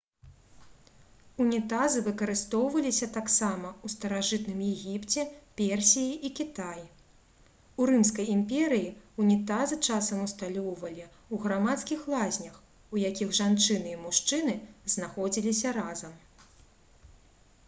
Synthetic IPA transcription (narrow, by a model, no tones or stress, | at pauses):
unʲit̪azɨvɨkɐɾɨst̪ɔwvɐlʲisʲɐt̪aksamɐust̪ɐɾaʐɨt̪nɨmjɛɣʲipt͡sʲɛpʲɛrsʲijiʔikʲit̪aj | urɨmskɐjimpʲɛɾɨjiunʲit̪azɨt͡ʂasɐmust̪alʲɔwvɐlʲi | uɣɾamat̪skʲixlˠazʲnʲɐx | ujakʲiɣʐant͡ʂɨnɨimuʂt͡ʂɨnɨznaxɔd͡zʲilʲisʲɐɾazɐm